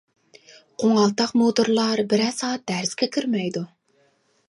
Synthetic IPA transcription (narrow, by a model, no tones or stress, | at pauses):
qʰoŋɑlˠt̪ɑqmot̪uɾlˠɑɾbɪɾɛsɑːt̪̚d̪æɾskʲɛkʲʰiɾmɛjd̪u